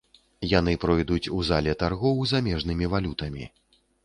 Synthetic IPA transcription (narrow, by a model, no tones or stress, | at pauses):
jan̪ɨpɾɔjd̪ut͡sʲuzalʲɛt̪arɣɔwzamʲɛʐnɨmʲivalʲut̪ɐmʲḭ